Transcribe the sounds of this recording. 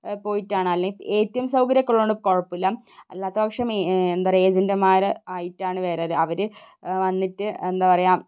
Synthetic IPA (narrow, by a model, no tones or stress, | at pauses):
po̞ːjitːaːɳɨɐlːeŋeːtːɐjɐmsɐwkɐɾjɐkːɐɭːoɳɖɨko̞ɻɐpːilːɐm | ḛlːaːt̪ːɐbɐkʂɐmend̪areeːd͡ʑɐndɐmaːɾɨaːjitːaːɳɨʋe̞ːɾeɾɨɐʋɐɾɨʋɐnːitːɨend̪aːpɐrɐjaːm